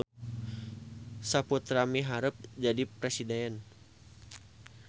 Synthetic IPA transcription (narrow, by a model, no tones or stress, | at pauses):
saput̪ɾamiɦaɾəp̚d͡ʒadipɾɛsidɛn